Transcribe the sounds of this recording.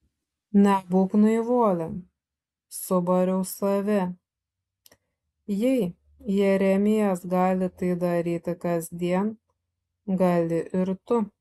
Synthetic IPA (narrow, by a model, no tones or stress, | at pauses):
nʲɛbuːknʊɪʋuɔlʲɛn | sʊbɐɾʲɛʊsɐʋʲɛ | jɛɪ | jɛɾʲɛmʲɪjɛsɡɑːlʲɪt̪ɐɪd̪ɐɾʲiːt̪ʲɪkɐzʲd̪ʲiɛn | ɡɐlʲɪʔɪɾt̪ʊ